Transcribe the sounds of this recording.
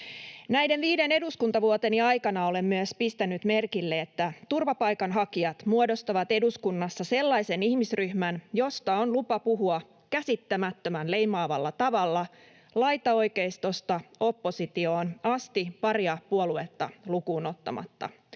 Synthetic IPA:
næjde̞nʋiːde̞ne̞duskunt̪ɑʋuot̪eniɑjkɑnɑo̞le̞mmyøspist̪ænyt̪me̞rkilːe̞et̪ːæt̪urʋɑpɑjkɑnɦɑkiɑt̪muodo̞st̪ɑʋɑt̪e̞duskunːɑsːɑse̞lːɑjse̞nihmisryhmænjo̞st̪ɑonlupɑpuɦuɑ | kæsit̪ːæmæt̪ːømænle̞jmɑːʋɑlːɑt̪ɑʋɑlːɑ | lɑjt̪ɑo̞jkeist̪o̞st̪ɑo̞pːo̞sit̪io̞ːnɑst̪ipɑriɑpuoluet̪ːɑlukuːno̞t̪ːɑ̰mɑ̰t̪ːɑ̰

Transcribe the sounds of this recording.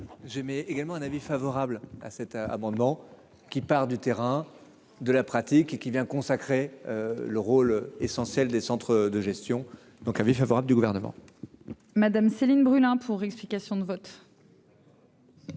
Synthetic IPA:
ʒemɛeɡalmɑ̃ɛ̃navifavɔʁabla̰sɛt̪a̰mɑ̃d̪mɑ̃ | kʲipaʁd̪yt̪eʁɛ̃ | d̪əlapχat̪ikekʲivjɛ̃kɔ̃sakχeøləʁolesɑ̃sjɛld̪esɑ̃t̪χəd̪əʒɛst̪jɔ̃ | d̪̥ɔ̃kɛ̃vifavɔʁabləd̪yɡuvɛʁnəmɑ̰̃ | mad̪amselinbʁylɛ̃pʰuʁɛksplikasjɔ̃d̪əvɔt̪

